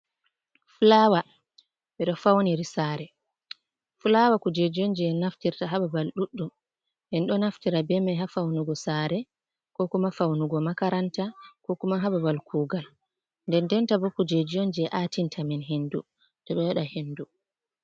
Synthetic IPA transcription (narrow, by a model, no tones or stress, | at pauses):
fulawa | ɓɛɗɔfawniɾisaːɾɛ | fulawakud͡ʒed͡ʒiɔnd͡ʒɛɛnaftiɾtaɦababalɗuɗːum | ʔɛnɗɔnaftiɾabɛmaɦafawnuɡɔsaːɾɛ | kɔkumafawnuɡɔmakaɾantakɔkumaɦababalkʰuːɡal | ndɛndɛntabɔkud͡ʒed͡ʒiɔnd͡ʒɛɛʔatintʰaminɦendu | tɔɓɛjaɗahenːdu